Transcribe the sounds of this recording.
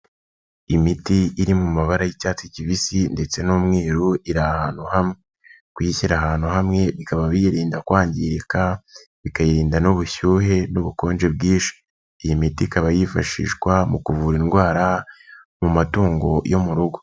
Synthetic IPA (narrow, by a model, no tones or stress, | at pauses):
imitiːɾimumaβaɾajicaːt͡siciβisinde̞t͡se̞noːmŋiːɾuiɾahahaːn̥huhamŋe | kwiçiɾaɦaːn̥huɦamŋe̞βikaβaβijiɾiːndakwaːɲɟiɾikaβikajiɾiːndanoβuçuːɦe̞noβuko̞ːnd͡ʒe̞b̚ɡiːʃi̥ː | jimitikaβajifa̰ʃḭʃkwamukuvuːɾinɡwaːɾa | mumatuːŋɡo̞jo̞muɾuɡo